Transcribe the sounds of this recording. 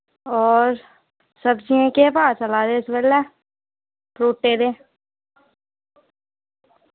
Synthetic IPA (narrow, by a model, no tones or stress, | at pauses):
ɔːɾ | səbd͡ʒiẽkepaːsəlaːd̪esʋɛːlɛː | pɾoːʈːeːd̪eː